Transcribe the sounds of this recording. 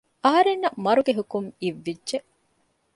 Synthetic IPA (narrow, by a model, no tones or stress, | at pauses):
ɐɦɐɾenːɐmɐɾuɡeɦukuŋiʋːidːʒeʔ